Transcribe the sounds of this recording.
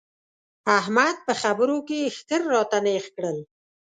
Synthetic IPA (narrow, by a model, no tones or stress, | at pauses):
ahmad̪̚pəxabəɾokext̪əɾːɑt̪anexkɽəl